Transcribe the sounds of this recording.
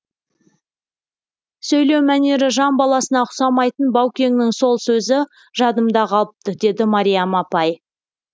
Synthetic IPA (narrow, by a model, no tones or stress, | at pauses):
sɵjle̞wmæne̞ɾɪʒɑmbɑlˠɑsənɑqʰʊ̥sɑmɑjt̪ənbɑwkʲe̞ŋnɪŋso̞lˠsɵzɪ | ʒɑd̪əmd̪ɑqʰɑlˠəp̚t̪əd̪e̞d̪ɪmɑɾʲijamɑpɑj